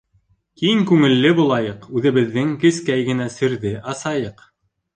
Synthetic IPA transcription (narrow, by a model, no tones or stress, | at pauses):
kiŋkʉŋɘ̆lːɘbulˠɑjɤqʉðɘ̆βɘ̆ðːɘŋkɘ̆skæjɡɘ̆næsɵ̆ɾðɘʔɑsɑjɤq